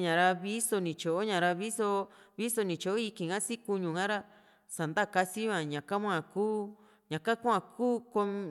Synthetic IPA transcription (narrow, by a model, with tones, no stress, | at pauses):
ɲã˨ɾa˧βi˦so˧nĩ˨t͡ʃo˨ʔo˦ɲã˨ɾa˧βi˦so˧βi˦so˧nĩ˨t͡ʃo˨ʔo˦i˧kĩ˨ŋã˦si˦ku˧ɲũ˨ŋã˦ɾa˦ | sa˨nd̪a˦˨ka˧si˦βã˨ɲã˨ka˦mʷ˦ã˦˨kuː˦ | ɲã˨ka˦kʷã˧˨kuː˦ko˧m˧